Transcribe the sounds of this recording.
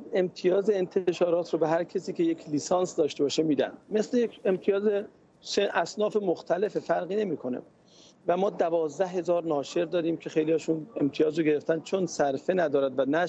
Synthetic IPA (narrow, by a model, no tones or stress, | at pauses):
e̞mt̪ʰijɒːzeent̪ʰeʃɒːɾɒːt̪ʰɾobeɦæɾcʰesiːcʰejekʰliːsɑːnsd̪ɒːʃt̪e̞bɒːʃemiːd̪æ̰nd̪me̞slejekemt̪ʰijɒːze | seʔæsnɒːfemoxt̪ʰæle̞fefæɾɣiːne̞miːkʰo̞nḛ | væmɒːd̪ævɒːzd̪æɦe̞zɒːɾnɒːʃe̞ɾd̪ɒːdɾiːmcʰe̞xejliɒːʃune̞mt̪ʰijɒːzɾoɡe̞ɾe̞ft̪ænd̪̚t͡ʃʰonsæɾfe̞næd̪ɒːɾæd̪vænæ